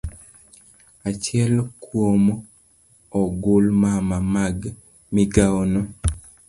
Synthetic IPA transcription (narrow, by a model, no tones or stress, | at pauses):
at͡ʃɪɛlkwom | ɔɡʊlmamamaɡ | miɡaono